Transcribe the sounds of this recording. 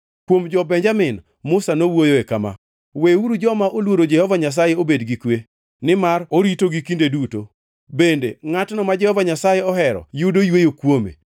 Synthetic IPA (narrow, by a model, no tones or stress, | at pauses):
kwomd͡ʒɔbɛɲd͡ʒamɪn | mʊsanowojoekama̰ | weuɾud͡ʒɔmaʔolwoɾod͡ʒɛhɔvaɲas̬ajeobedɡikwe | nɪmaɾoɾitoɡikindeduto | bendeŋatnɔmad͡ʒɛhɔvaɲasajeɔɦɛɾɔ̰judojwejokwomḛ